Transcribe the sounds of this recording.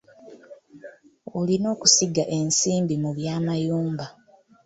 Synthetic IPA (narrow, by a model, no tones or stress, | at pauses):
olino̞ːku̥siɡaʔe̞nsiːmbimuβjaːmajuːmba